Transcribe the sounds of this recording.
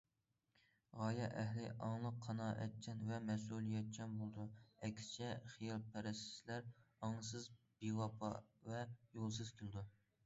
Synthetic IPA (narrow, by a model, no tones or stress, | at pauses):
ʁɑːjɛʔæɦlɪʔɑŋlˠəqʰːɑnɑːʔɛ̰t̪̚t͡ʃʰɛnvɛmɛs̬ulˠijɛt̪̚t͡ʃʰɛnbolˠd̪uɛkʲʰsɪ̥t͡ʃʰɛχijɑlˠpʰɛɾɛst̪ɪ̥slæɾɑŋɨsɨzbiwɑpʰɑ̰vɛjolˠsɨz̥kʲʰilˠd̪u